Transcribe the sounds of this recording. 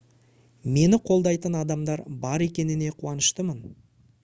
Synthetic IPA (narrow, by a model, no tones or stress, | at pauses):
me̞nɪqʰo̞lˠd̪ɑjt̪ənɑd̪ɑmd̪ɑɾbɑɾe̞kʲe̞nɪne̞qʰuɑnəʃt̪əmən